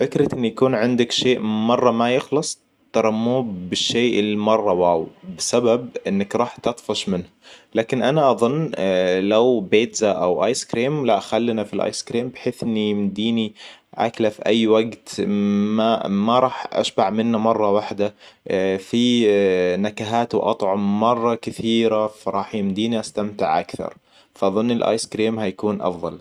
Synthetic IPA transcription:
fɪkɾɪt̪ʔɪnːjakuːnʕɪnd̪akʃeːʔmɑrˤːɑmajɪxlɑsˤ | t̪ːɑɾˤɑmːuːbɪʃːeːʔɪlːimɑrˤːɑwaːwbɪsabab̚ʔɪnːakɾˤɑːħt̪ɑt̪ˤfɑʃmɪnhalaːkɪnʔanaʔɑðˤʊnːlawbeːt̪zaʔawʔɑːjskɾiːmlaʔxalːnafilʔɑ̰jskɾiːmbɪħeːθʔɪnːimd̪iːniʔa̰klafiʔajːwaɡt̪mamaɾˤɑːħʔa̰ʃbaʕmɪnːamɑrˤːɑwaħd̪a | fi | nakaɦaːt̪wɪʔɑt̪ˤʕʊmːɑrˤːɑkɪθiːɾafaɾˤɑːħmd̪iːniʔast̪amt̪ɪʕʔa̰kθɑ̰ɾˤ | faʔɑðˤʊnːɪlʔɑ̰ːjskɾiːmhajakuːnʔɑ̰fðˤɑ̰l

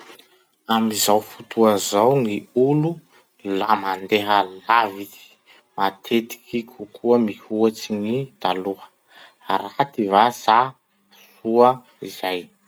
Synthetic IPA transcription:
amizawfut̪uazawniulu | lamand̪eɦəlavit̪i̥ | mat̪ʰet̪i̥kikʰukʰuəmihuat͡sinit̪aluə̥ | aɾat̪ivasa | suə | iz̥aj

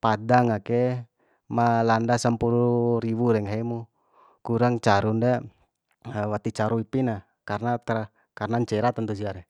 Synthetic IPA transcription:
padaŋakɛ | malandasəmpuɾuɾiβuɾɛŋaimu | kuɾaŋt͡ʃaɾunda | wat̪it͡ʃaɾuipina | karnat̪ | karnaɲt͡ʃɛɾat̪ənt̪us̬iaɾɛ

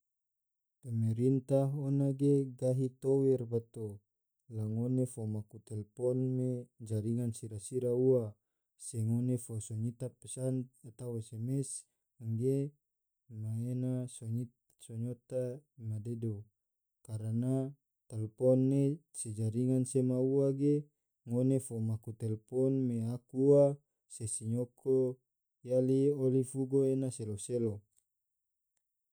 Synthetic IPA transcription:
pɛmɛɾint̪aɦonaɡeɡaɦit̪owɛrbat̪o | laŋonefomakut̪ɛlpɔnmed͡ʒaɾiŋansiɾasiɾaua | sɛŋonefosoɲit̪apɛsanat̪awesɛmɛs | aŋɡe | maenasoɲi | soɲot̪aimadedo | kaɾana | t̪ɛlpɔnːe | sed͡ʒaɾiŋansemauaɡe | ŋonefomakut̪ɛlpɔnmeakua | sesiɲokʰo | jaliolifuɡoenaseloselo

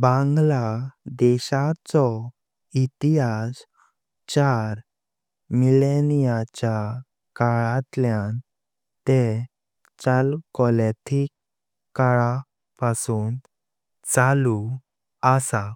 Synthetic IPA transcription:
bãŋɡlad̪ɛɕat͡sɔ | it̪iɦas | t͡ɕaɾ | milenijat͡ɕa | kaɭãt̪ljãn | t̪e | t͡ɕalkɔlet̪ʰikː | aɭa | pasuːn | t͡salu | əsa

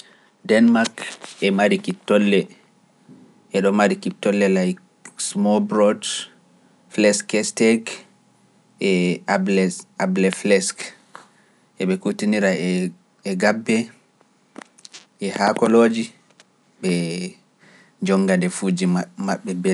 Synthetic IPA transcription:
dɛnmaɾkɛmaɾikitːɔlːɛ | ʔɛɗɔmaɾikitːɔlːɛlajk | smɔlbɾɔd | flɛskɛstɛk | ʔɛablɛablɛflɛsk | ʔɛɓɛkutiniɾaː | ɡabːɛ | ʔɛhakɔloːd͡ʒi | ɓɛ | d͡ʒɔŋɡadɛfuːd͡ʒimaɓːɛbɛ

